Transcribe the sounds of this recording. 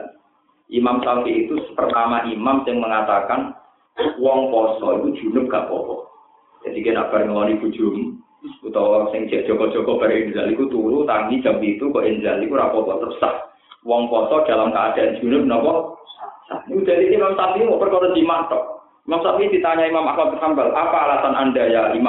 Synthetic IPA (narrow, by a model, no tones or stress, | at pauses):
ʔimamsafiːt̪upərt̪amaʔimamsɪŋməŋat̪akan | wɔŋpɔsɔikud̥ʒ̥ṳnʊp̚ɡ̥apɔ̰pɔ | d͡ʒ̥ad̥ikena̰ʔb̥aɾŋəlɔniɡ̥ṳ̥ʒ̥ʊ̤m | ut̪ɔwɔsɪŋ̥ʒ̥aʔdʒ̥ɔ̤kɔd̥ʒ̥ɔ̤kɔb̥aɾɛɪnd͡ʒalikut̪uɾut̪aŋid̥ʒ̥a̤mpit̪ukɔʔɪnd͡ʒalikuɾapɔbɔt̪əpsa̰h | wɔŋpɔsɔd̥a̤lamkaːd̥a̤an̥d͡ʒ̥ṳnʊp̚nɔpɔ | a̰ud̪̥alikimamsap̪iumɔʔpərkɔɾɔd̪̥i̤mat̪ɔʔ | imamsap̪id̥̪i̤t̪aɲaimamahmat̪̚əthambalapaːlasanʔandajaima